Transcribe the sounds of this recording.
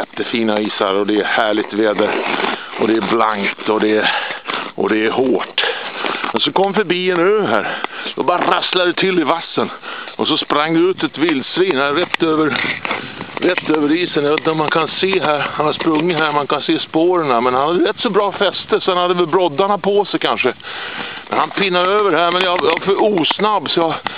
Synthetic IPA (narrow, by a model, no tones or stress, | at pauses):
ɛt̪ːəfiːnaiːsa̰ɾɔd̪ɛːhæːɭɪɡ̚t̪veːd̪əɾ | ʔɔd̪ɛːbla̰ŋkt̪ɔd̪ɛ | ʔɔ̰d̪ɛæɾhoːʈ | mɛnsɔkʰɔmːfœɾbiːɛnøːɦæ̰ːɾd̪ɔbɑːɾaɾaslad̪ɛt̪ʰɪlːɪvasːənʔɔsɔspɾaŋːd̪ɛʉːt̪ɛt̪vɪld̪sɾiːnhaɾɛt̪ːøːvəɾ | ɾɛt̪ːøːvəɾiːsənjaveːt̪nt̪əɔmankʰanseːɦæɾhanhaspɾɵŋːɪt̪ɦæːɾmankanseːspoːɾəɳamɛnhanhad̪ːəɾɛt̪ːsɔbɾɑːfɛst̪əsɔhanhad̪ːəvɛlbɾɔd̪ːaɳapʰɔsɛkʰanʂə | mɛ̰nhanpʰɪnːad̪øːvəɖɦæɾmɛnjɑjafœɾuːsnabːsɔjɑ